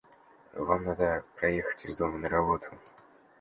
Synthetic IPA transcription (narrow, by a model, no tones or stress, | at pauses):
vamnad̪əpɾɐjexə̥tʲɪzd̪o̞mənəɾɐbo̞t̪ʰʊ